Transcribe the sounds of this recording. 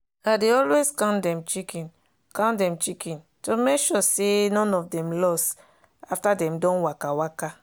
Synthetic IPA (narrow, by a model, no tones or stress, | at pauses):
adeɔlweskãndɛ̃mt͡ʃikĩn | kãndɛ̃mt͡ʃikĩn | tomekʃɔsenɔ̃nɔfdɛ̃mlɔs | aftadɛ̃mdɔ̃nwakawaka